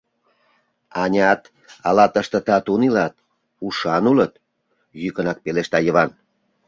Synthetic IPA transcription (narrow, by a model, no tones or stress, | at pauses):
ɑnʲɑt̪ | ɑlɑt̪əʃt̪ə̆t̪ɑt̪unilɑt̪̚ | uʃɑnulət̪ | jykənɑk̚peleʃt̪ɑjəβɑn